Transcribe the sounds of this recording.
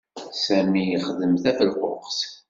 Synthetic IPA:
sæmijəχðəmθæfəlʁʊ̰qs

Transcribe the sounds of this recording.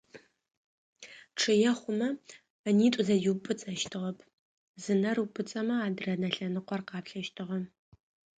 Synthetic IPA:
ʈ͡ʂʰɨjɛχʷʊmɐ | niːtʷʼʊzɐjupʼɨt͡sʼɐʃtʰɨʁɐpʰ | zɨnɐrupʼɨt͡sʼɐmɐaːdɨrɐnɐɬɐnɨqʷɔrqɑːpɬɐʃtʰɨʁɐm

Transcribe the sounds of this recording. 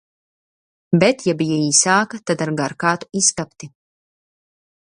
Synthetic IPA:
bɛt̪jabijaiːsaːkat̪ad̪aɾɡaɾkaːt̪u̥isk̪apt̪i

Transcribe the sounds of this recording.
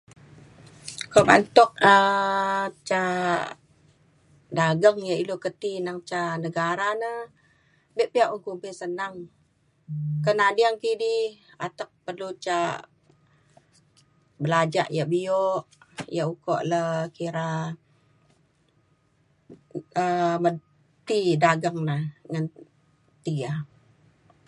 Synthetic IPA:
koba̰nt̪ɔk̚ə | t͡ʃa | daɡəŋjailokət̪inaŋt͡ʃanəɡaɾanə | bɛʔpiaʔuŋkumpɪsənaŋ | kənadiaŋkidiat̪ək̚pərlut͡ʃa | bəlad͡ʒa̰ʔjaʔbioʔjaukɔʔləkiɾa | əmə | t̪idaɡəŋnəŋən | t̪ia

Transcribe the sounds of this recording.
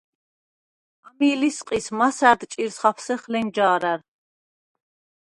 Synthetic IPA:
amiːlisqʼismasæɾd̪t͡ʃʼiɾsχapʰsɛχlɛnd͡ʒaːɾæɾ

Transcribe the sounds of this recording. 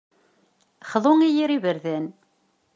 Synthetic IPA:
χəðˤoŋijiɾivəɾðæn

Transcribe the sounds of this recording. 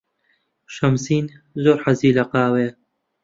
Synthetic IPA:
ʃɐmsiːnzoːɾħɐziːlɐqɑːwe

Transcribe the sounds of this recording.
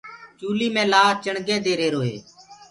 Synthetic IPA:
t͡ʃuːliːmẽːlaːt͡ʃəɳɡẽːd̪eːɾeːɾoːɦḛː

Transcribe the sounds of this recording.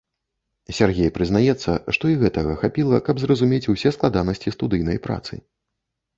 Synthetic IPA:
sʲarɣʲejpɾɨznajɛt̪sːɐ̰ʂt̪ɔiɣɛt̪ɐɣɐxapʲilˠɐkɐbzrɐzumʲet͡sʲusʲɛsklˠad̪anɐsʲt͡sʲist̪ud̪ɨjnɐjpɾa̰t̪sɨ̰

